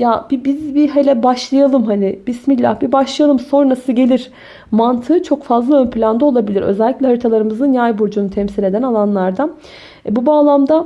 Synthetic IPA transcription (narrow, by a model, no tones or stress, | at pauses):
jab̥ibizbiɦelʲɛbaʃlˠajalˠɯmɦanibismilʲːa̰hbibaʃlˠajalˠɯmso̞nɾasɯɟe̞lʲiɾ̥ | mant̪ʰɯːt͡ʃʰo̞kfazlˠaø̞npʰlʲand̪ao̞lˠabilʲiɾø̞̰zɛlʲːiclʲɛɦaɾit̪ʰalˠaɾɯmɯzɯnjajboɾd͡ʒunut̪ʰɛmsilʲe̞d̪ænalˠanlˠaɾd̪a | bubaːlˠamd̪a